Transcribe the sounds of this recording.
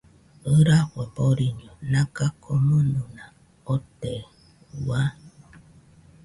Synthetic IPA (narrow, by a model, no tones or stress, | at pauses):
əɾakʷepoɾiɲonãkakʰomənuna | ot̪e | wa